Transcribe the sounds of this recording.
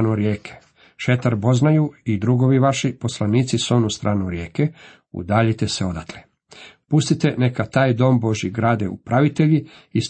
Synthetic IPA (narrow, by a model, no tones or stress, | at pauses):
nuɾjeːkʰe̥ | ʃe̞t̪aɾbo̞znajuid̪ɾuɡo̞ʋiʋaʃipo̞slˠaniːt̪siso̞nust̪ɾʔaːnuɾjeːke | ṵd̪aːʎit̪e̞se̞o̞d̪at̪ʰle | pust̪it̪e̞ne̞kat̪aːjd̪o̞mbo̞ʒjiɡɾaːd̪eṵpɾaʋit̪eʎi | is